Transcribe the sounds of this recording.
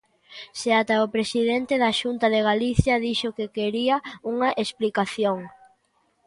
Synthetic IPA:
seat̪aʊpɾesiðent̪eðɐʃunt̪ɐðeɣ̞aliθjɐðiʃʊkekeɾiɐuŋɐʔesplikaθjoŋ

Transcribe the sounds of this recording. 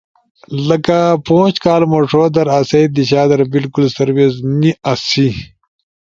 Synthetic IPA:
lɐkapõːɕkaːlmoʂoːd̪ɐɾasejd̪iɕaːd̪ɐɾbilkulsɐɾwezniʔɐsi

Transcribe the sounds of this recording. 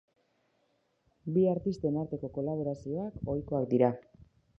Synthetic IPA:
biaɾt̪ist̪e̞naɾt̪e̞ko̞ko̞laβ̞o̞ɾasio̞ako̞jko̞ak̚d̪iɾa

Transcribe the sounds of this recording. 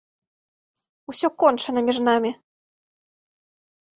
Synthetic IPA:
usʲɔkɔnt͡ʂɐnɐmʲiʐn̪amʲi

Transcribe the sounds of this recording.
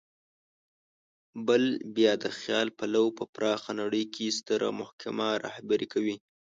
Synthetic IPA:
bəlbjɑd̪əxjɑlpalawpəpɾɑxanaɽəjkʰest̪əɾa̰mʊhkamaɾɑ̰hbaɾikʰawi

